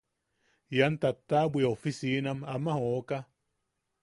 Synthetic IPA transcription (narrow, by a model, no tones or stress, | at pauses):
jant̪at̪ːabweofisinamamahoka